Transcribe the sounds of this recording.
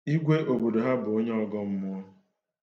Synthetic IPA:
i˦ɡʷe˦ʔo˨bo˨do˨ɦa˦bʊ˨o˦ɲe˦ɔ˦ɡɔ˦m̩˦mʊ˦ɔ˦

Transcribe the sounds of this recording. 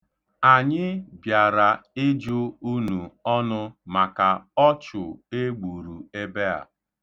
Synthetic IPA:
a˨ɲɪ˦bja˨ɾa˨ɪ˦d͡ʒʊ˦u˦nu˨ɔ˦nʊ˦ma˨ka˨ɔ˦t͡ʃʊ˨e˦ɡ͡bu˨ɾu˨e˦be˦a̰˨

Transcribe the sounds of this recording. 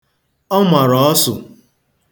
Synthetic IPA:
ɔ˦ma˨ɾɔ˨ɔ˦sʊ˨

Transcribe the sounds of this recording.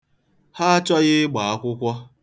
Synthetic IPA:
ha˦a˦t͡ʃɔ˦ɣɪ˦ɡ͡ba˨a˦kʷʊ˦kʷɔ˦

